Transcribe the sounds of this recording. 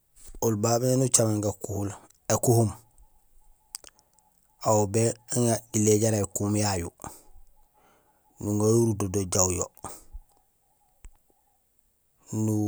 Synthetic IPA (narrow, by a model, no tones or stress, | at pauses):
ulbabenut͡ʃameŋɡakuhul | ekuhum | awubeŋaileɟaɾajkumjaju | nuŋɡajuɾudodoɟawjo̰ | nu